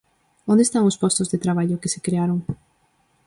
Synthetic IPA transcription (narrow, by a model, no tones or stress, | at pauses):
õnd̪est̪aŋʊspɔst̪ʊzðet̪ɾaβ̞aʎʊkesekɾeaɾoŋ